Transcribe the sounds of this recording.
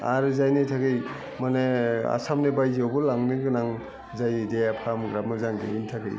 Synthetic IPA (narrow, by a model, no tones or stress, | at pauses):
a̰ɾɯzajnitʰakɯj | manea̰samnebajzowbɯlaŋnɯɡɯnaŋ | zajdejapʰamɡɾamɯzaŋdiintʰakɯ̰j